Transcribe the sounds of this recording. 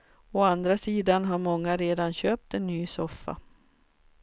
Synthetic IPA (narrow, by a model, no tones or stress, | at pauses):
ɔand̪ɾasiːd̪anɦaɾmɔŋːaɾeːd̪anɕøːp̚t̪ɛnːyːsɔfːa̰